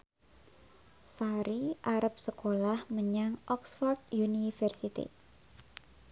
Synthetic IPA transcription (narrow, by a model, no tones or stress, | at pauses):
saɾiʔaɾəp̚səkolahməɲaŋʔɔksfɔrd̪̚junifərsit̪ḭ